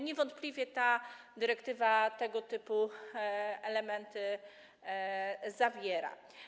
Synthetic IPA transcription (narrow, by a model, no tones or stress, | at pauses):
ɲɛvɔnt̪̚plʲivʲjɛt̪a | d̪ɘɾɛkt̪ɘvat̪ɛɡɔt̪ɘpu | ɛlɛmɛnt̪ɘ | zavʲjɛɾa̰